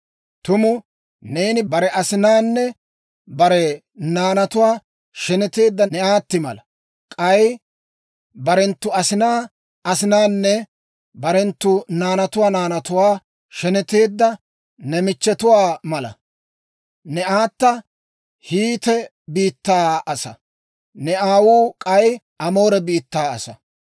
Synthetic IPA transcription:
t̪ʊmʊ | neːnɪbɐɾɛʔɐsɪnaːnːɛ | bɐɾɛ | naːnɐt̪ʊwaː | ʃɛnɛt̪e̞ːd̪ːɐnɛaːt̪ːɪmɐ̰lɐ | kʼɐj | bɐɾɛnt̪ːʊɐsɪnaː | ɐsɪnaːnːɛ | bɐɾɛnt̪ːʊnaːnɐt̪ʊwaːnaːnɐt̪ʊwaː | ʃɛnɛt̪e̞ːd̪ːɐ | nɛmɪt͡ʃːɛt̪ʊwaːmɐlɐ̰ | nɛʔaːt̪ːɐ | hiːt̪ɛ | biːt̪ːaːɐsɐ̰ | nɛʔaːwuːkʼɐj | ʔɐmo̞ːɾɛbiːt̪ːaːɐsɐ̰

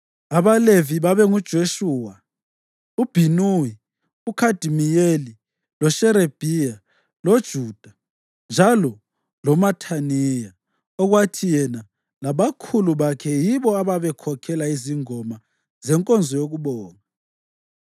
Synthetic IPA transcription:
aβaleviβaβɛŋud̥ʒ̥ʱoʃuːwa | ub̥ʱinui | ukʰad̥ʱimijeli | lɔʃɛɾeb̥ʱija | lod̥ʒ̥ʱuːd̥ʱa | nd͡ʒʱalɔ | lɔmatʰanija | ɔɣwatʰijɛna | laβakʰuluβakʰɛjiβɔaβaβɛkʰɔkʰɛlaiziŋɔma | zɛŋkʼɔnd͡zʱɔjoɣuβɔːŋa

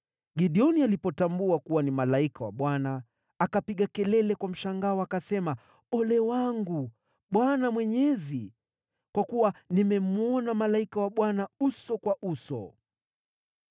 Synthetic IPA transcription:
ɡiɗiɔnialipɔtambuakuwanimalaikawa̰ɓwanaː | kapiɠakɛlɛlɛkwam̩ʃaŋɡaɔakasɛma | ɔlɛwaŋɡu | ɓwanamwɛɲɛzi | kwakuwanimɛmuɔnamalaikawaɓwanausɔkwaʔusɔ̰

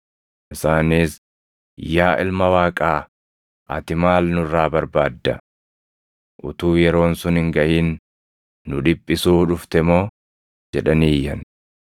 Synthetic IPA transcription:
ʔɪsaːniːs | jaːʔɪ̰lmɐwaːkʼaː | ʔɐ̰t̪ɪmaːlnʊrːaːbɐɾbaːd̪ːɐ | ʔʊ̰t̪uːjɛɾo̞ːnsʊnhɪŋɡɐʔiːnː | ʊᶑɪpʼːɪsuːᶑʊft̪ɛmo̞ː | d͡ʒɛᶑɐniːjːɐn

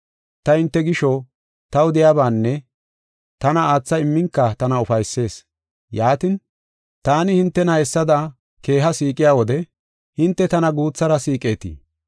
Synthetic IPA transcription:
t̪ɐhɪnt̪ːɛɡɪʃɔ | t̪ɐwʊd̪ɪjaːbaːnːɛ | t̪ɐnɐaːt͡sːɐɪmːɪŋkːɐt̪ɐnɐʊfɐjsːe̞ːs | jaːt̪ɪn | t̪aːnɪhɪnt̪ːɛnɐhɛsːɐd̪ɐ | ke̞ːɦɐsiːkʼːɪjaːwɔd̪ɛ | hɪnt̪ːɛt̪ɐnɐɡuːt͡sːɐɾɐsiːkʼe̞ːt̪ḭ

